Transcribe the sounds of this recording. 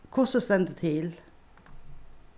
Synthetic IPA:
kʰʊsɔsɛnd̪ət̪ʰɪl

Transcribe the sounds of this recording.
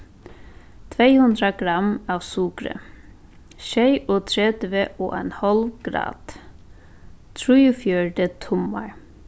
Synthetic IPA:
t̪ʰʋeɪhʉnd̪ɾaɡ̥ɾɑmɑːʋsukɾə̰ | ʃeɪʔɔːt̪ʰɾeːd̪ʋeʔo̰ːʔenhɔlʋɡ̥ɾɑ̰ːd̪̥ | t̪ʰɾʉːʉfjøːɖət̪ʰʊmɑ̰ɹ

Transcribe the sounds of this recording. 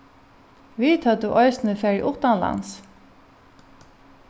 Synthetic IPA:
ʋiːt̪ʰɑt̪̚d̪ʉːʔɔʏsnəfɛɹḭʔʊt̪ɑnlɑ̰ns

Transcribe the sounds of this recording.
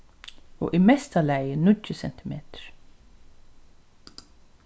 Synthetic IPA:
o̰ːʔimɛst̪ʰalæɪənʏt̪ːəsɛnt̪ɪmeːt̪ə̥ɹ̥

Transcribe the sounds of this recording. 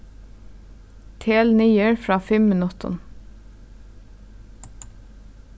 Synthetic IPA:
t̪ʰeːlnyːəɹfɹɑːfɛmənɔt̪ʰɔ̰n

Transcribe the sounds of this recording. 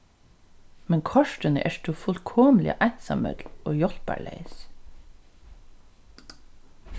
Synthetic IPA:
mɛŋkʰɔʃʈənə̰ʔæʃt̪ufʊlkʰɔmlɪ̰ʔæsɑ̰mœ̰d̪lʔoːjɔlbæ̰ɭḛɪs

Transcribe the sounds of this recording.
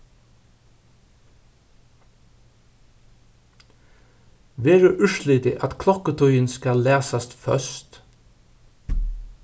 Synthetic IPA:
ʋeːɹʉʔʉʃlɪd̪ɪʔɑt̪kʰlɔkət̪ʰɔʏənskɑlæːsɑst̪fœ̰st̪

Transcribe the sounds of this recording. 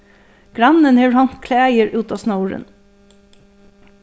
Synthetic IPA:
ɡ̥ɾɑnənheːɹhɑnt̪kʰleːæɪəɹʔʉːt̪ɑːsnɑʊɹə̰n

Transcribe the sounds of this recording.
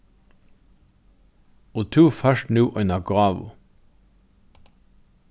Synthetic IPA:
oːt̪ʰuːfœʃtnʉːʔœnəɡʁɑːʋʊ̰

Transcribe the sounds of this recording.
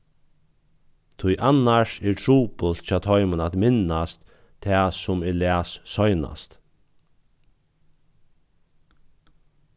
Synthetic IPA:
t̪ʰʊjʔanaʂɛɹtʰɹuːpʊlt̪̚t͡ʃʰɑːt̪ʰɔjmənat̪mɪnast̪ | t̪ʰːɛːsʊmɛɹlæːsːɔjna̰st̪

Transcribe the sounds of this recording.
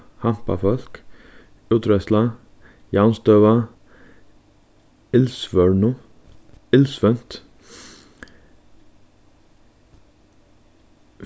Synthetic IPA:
hɑmpɑ̰fɔlk | ʉːt̪ʰɾɛslɑ | jɑːnst̪øːʋɑ | ɪlsʋœɹɳʊ | ɪlsʋœnt̪

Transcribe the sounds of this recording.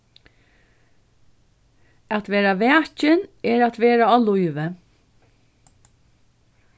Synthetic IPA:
at̪ʋeːɾaʋɛːt͡ʃɪnɛːɾat̪ʋeːɾaɔːlʊɪʋə

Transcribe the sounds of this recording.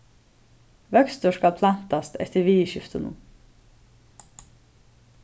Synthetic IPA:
ʋœkst̪əʃkɑlpʰlan̥t̪ast̪ʰɛ̰t̪əɾʋiːʃɪft̪ənə̰n

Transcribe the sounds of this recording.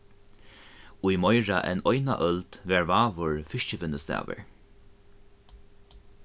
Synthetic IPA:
ujmɔjɹaʔɛ̰nɔjna̰ʔœlt̪ʋɛːɹvaːvʊɹfɪʃcəvɪnːəst̪ɛ̰ːʋə̰ɹ

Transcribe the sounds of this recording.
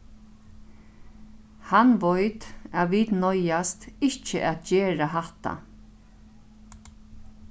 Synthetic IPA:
hanʋɔjt̪aːʋiːt̪nɔjast̪ɪht͡ʃəʔæt̪d͡ʒeːɾaɦaht̪a̰

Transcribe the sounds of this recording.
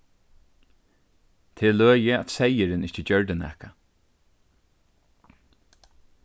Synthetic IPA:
t̪ʰeːløːjəa̰t̪sɛjɪɾɪnɪht͡ʃəd͡ʑœɹd̪ɪnɛ̰hka

